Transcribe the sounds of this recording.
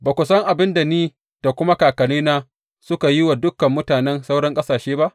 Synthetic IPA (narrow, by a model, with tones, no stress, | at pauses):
baː˨kʷʊ˨sɐ˦ŋʔa˨bɪ˦nda˨niː˦ | d̥a˨kʷʊ˦ma˦kaː˨kɐ˨liː˦naː˦ | sʊ˦ka˨jɪ˦wa˨dʊ˦kːɐ˨mːʊ˦taː˨nɛ˦nsa˦wɽɐ˦ŋkʼɐ˦saː˨ʃeː˦ba˦ʔ